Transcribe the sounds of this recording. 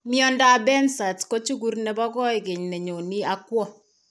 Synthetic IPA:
mjɔ˦nda˦bɛ˦nsa˨tko˦t͡ʃu˦ku˦rnɛ˨bɔ˦kɔ˦ɪ˨ke˨ɲne˨ɲo˨ni˦a˦kwɔ˦

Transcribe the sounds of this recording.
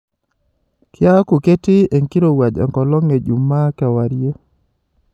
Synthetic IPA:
kʰja˦ku˨ke˦ti˦e˨ŋki˦ɾo˨wa˨d͡ʒɛ̰˨ŋkɔ˨lɔ˦ŋe˨d͡ʒu˨mːa˦kɛ˨wa˨ɾje˦

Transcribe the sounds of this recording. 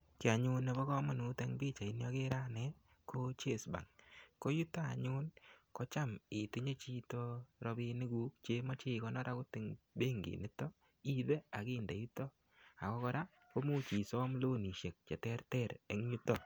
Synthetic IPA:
kɪ˨a˨ɲʊ˦ne˨bɔ˦kɔ˦mɔ˨nu˨˦te˦ŋbi˦t͡ʃa˨i˨njɔ˦kɪ˦ɾa˦nɛ˦ | kʰo˦t͡ʃe˦˨sba̰˨ŋko˦ju˦ta˦a̰˨ɲʊ˦nkɔ˦t͡ʃa˦mɪ˨tu˦ɲe˦t͡ʃi˦tɔ˦ɾɔ˧bɪ˧nɪ˦ɡu˦kt͡ʃe˦mɔ˦t͡ʃe˦kɔ˦nɔ˦ɾa˦kʊ˦tɪ˨ŋbe˦ŋɡḭ˨nɪ˦tɔ˦ | i˦ðe˦a˨kɪ˦nde˨ju˦tɔ˦ | a˨kɔ˦kɔ˦ɾa˦ | ko˦mu˦t͡ʃi˨sɔ˦mlo˦ni˨ʃe˨k̚t͡ʃɛ˨tɛ˦ɾtɛ˦˨ɾe˦ŋ˦ju˦tɔ˨

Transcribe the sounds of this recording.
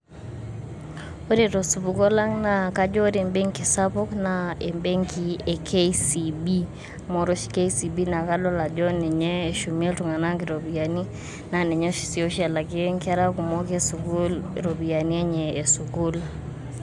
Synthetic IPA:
o˦ɾi˦ɾɔ˨su˨bukɔ˦la˦ŋnaka˦d͡ʒɔ˦ɾɛ˨mbe˦ŋki˨sapɔ˦knaɛ˨mbɛ˦ŋkiɛ˨kʰe˦sibi˦ | mɔɾɔ˦ʃkɛ˦isi˨bi˦na˨ka˦lɔ˦la˨d͡ʒɔ˦nɛ˨ɲɛː˦ʃu˨mi˦ltu˨ŋa˨na˦ŋk̬i˨ɾɔ˨bi˨a˨ni˦ | na˨nɛ˨ɲɛ˦ʃi̥˨si˨o˦ʃɛ˨la˨ki˦ŋka˦ɾa˦ku˨mɔkɛsu˨ɡu˦lɾo˨bi˨a˨ni˦ɛ˦ɲɛː˨su˨ɡu˦l

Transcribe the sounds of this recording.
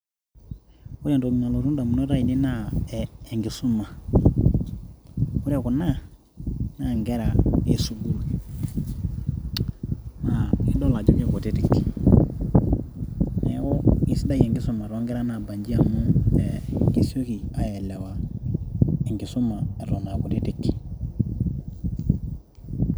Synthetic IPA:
u˦ɾe˨nto˨ɲa˨lo˨ɾu˦n˦da˨mu˨no˦ɾa˦i˨ni˦naː˦˨ | ŋɡi˨su˦ma˨ | u˦ɾe˨ku˨na˦ | na˦˨ŋɡɛ˦ɾa˨e˨su˦ɡu˦l | ma˨i˦do˦la˨d͡ʒo˦ke˦˨ko˨ti˦ti˨k | nḛ˨˦ku˦i˦si˦da˦je˨ŋɡi˦su˦mːa˨ɾo˦ŋɡe˦ɾa˦na˨ba˨ɲd͡ʒi˦a˨mu˦be˨ŋɡi˦so˦ki˨a˨je˨le˨wa˨ | e˨ŋɡi˨su˦ma˨e˨ɾo˨na˨ku˨ti˦ti˨k

